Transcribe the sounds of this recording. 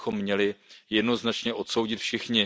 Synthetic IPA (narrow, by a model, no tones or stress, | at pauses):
xo̞mːɲɛlɪjɛdno̞znat͡ʃɲɛʔo̞t̪so̞wɟɪt̪fʃɪxɲɪ